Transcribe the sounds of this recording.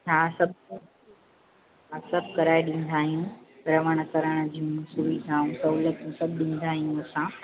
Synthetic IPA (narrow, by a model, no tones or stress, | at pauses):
ɦasɐb̚ʱ | sɐbʱkɐɾaːeɗĩn̆d̪ʱaːɦijũɾɐʋəɽ̃kəɾəɽ̃d͡ʑiũsuʋid̪ʱaːɦũsɐulət̪ũsɐbʱɗĩːn̆d̪ʱaːɦijũəsã